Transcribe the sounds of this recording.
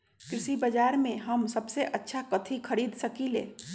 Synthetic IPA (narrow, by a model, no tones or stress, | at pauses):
kɾɪsibəd͡ʒaːɾmẽɦɐmsɐbseʔɐtːʃʰakət̪ʰikʰɐɾiːd̪sɐkilḛː